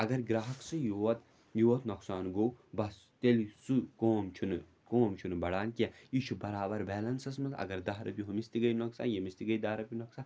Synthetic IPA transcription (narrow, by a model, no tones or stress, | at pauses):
ɐɡɐɾɡɾaːɦɐksɨjuɐt̪ | juɐt̪noksaːnɡowbɐs | t̪elsukoːmt͡ʃʰunɨ | koːmt͡ʃʰunbɐɽaːnkʲejit͡ʃʰubɐɾaːbɐɾbɛːlɐnsɐsmɐt̪ɐ̰ɡɐɾd̪aɦɾɐ̰pʲjiɦumist̪iɡɐjnoksa̰ːnjemist̪iɡɐjd̪aːɾɐpʲinoksaː